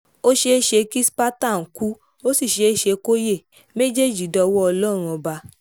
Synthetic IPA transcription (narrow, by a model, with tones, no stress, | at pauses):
o˦ʃe˧˦ʃe˧ki˦spa˦ta˦˨n̩˨ku˦ | o˦si˦˨ʃe˧˦ʃe˧ko˦je˦˨ | me˦d͡ʒe˦˨d͡ʒi˨˦dɔ˧wɔ˦ɔ˧lɔ˦ɾ̃ũ˧ɔ˧ba˧